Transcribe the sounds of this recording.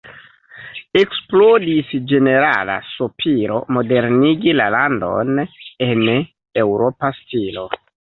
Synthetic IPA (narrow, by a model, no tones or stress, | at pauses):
e̞ksplodisd͡ʒe̞ne̞ɾa̰la̰sopʰiɾo̞mo̞de̞ɾniɡilalando̞̰ne̞n | e̞wɾo̞pastilo̞